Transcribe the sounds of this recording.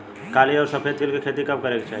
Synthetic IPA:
kaliɔːɾsəpʰet̪ilkekʰet̪ikəb̚kəɾeket͡ʃʰaɦi

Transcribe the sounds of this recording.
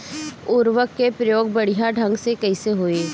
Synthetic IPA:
ʊɾʋəkːepɾəjoːɡ̚bɐɽ̤ijãɖʱɐ̃ŋɡsekɐɪseɦoːeː

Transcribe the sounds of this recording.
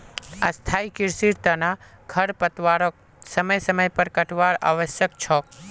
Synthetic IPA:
ɐst̪ʰaːikɪɾsiɾt̪ɐna | kʰɐɾpət̪ʋaɾok̚ | səməjsəməjpəɾkɐʈʰʋaːɾa̰ʋəsjək̚t͡ʃʰɔːk̚

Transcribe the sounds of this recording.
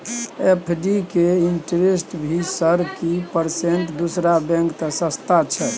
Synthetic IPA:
epʰɖikeiɳʈɾesʈbʱisəɾkipəɾseɳʈd̪usɾabɛ̃ŋkt̪əsəst̪at͡ʃʰɛ

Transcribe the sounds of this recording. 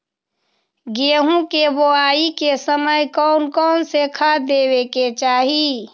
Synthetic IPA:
ɡeɦũkeboaikesəməjkɔʊnkɔːnsekʰad̪eweket͡ʃaːɦi

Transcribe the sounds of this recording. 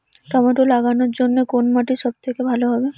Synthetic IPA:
ʈɔmoʈolaɡanoɾd͡ʑonːekonmaʈiʃɔb̚t̪ʰekebʱaloɦɔbe

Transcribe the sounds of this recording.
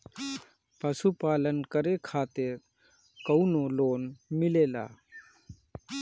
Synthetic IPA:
pəsupaːlənkəɾekʰaːt̪ɪɾ | kəʊnoloːnmɪleːla̰ː

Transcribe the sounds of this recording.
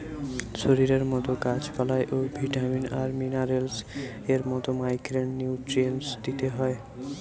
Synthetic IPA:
ʃoɾiɾeɾmɔt̪oɡat͡ɕpalaeʔobʱiʈaminaɾminaɾels | eɾmɔt̪omajkɾenːiwʈɾiensd̪it̪eɦɔe

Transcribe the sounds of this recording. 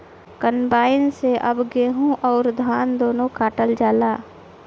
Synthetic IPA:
kənbaːɪnseʔɐbɡeːɦũʔɔːɾd̪ʱaːnd̪oːnõkaːʈəld͡ʒaːlaː

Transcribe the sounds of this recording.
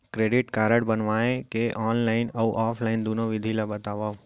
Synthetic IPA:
kɾeɖiʈkaːɾəɽbənʋaekeʔɔːnlaɪnəuʔɔːpʰlaɪnd̪unoʋɪd̪ʱilabət̪aʋa

